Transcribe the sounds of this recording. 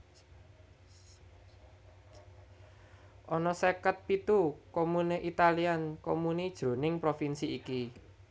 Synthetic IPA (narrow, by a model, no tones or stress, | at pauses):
ʔɔnɔsekət̪̚pit̪ukomuneʔit̪aliankomunid̥ʒ̥ɾo̤nɪŋpɾofinsiːki